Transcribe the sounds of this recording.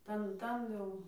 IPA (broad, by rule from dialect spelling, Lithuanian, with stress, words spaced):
ˈtɐn ˈtɐn jɛʊ